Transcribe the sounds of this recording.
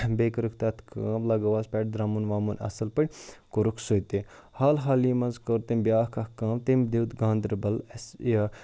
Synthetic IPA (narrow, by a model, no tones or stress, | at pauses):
beːkɐɾukʰt̪ɐt̪ʰkʰaːmlɐːɡɐʋaːspʲɛːʈ̚d̪ɾaːmunʋaːmunɐ̰sɐlpɐɽʲkoɾukʰsoːt̪e | haːlɦaːlimɐnzkoɾt̪embʲjaːhkɐhkaːmt̪emd̪iwt̪ɡãːnd̪ɾbɐlɐsja